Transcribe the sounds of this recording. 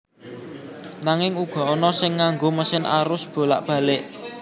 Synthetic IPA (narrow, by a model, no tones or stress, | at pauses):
naŋɪŋuɡ̥ɔ̤ɔnɔsɪŋːaŋɡoməsɪnʔa̰ɾʊsb̥o̤la̰ʔb̥ä̤lɪʔ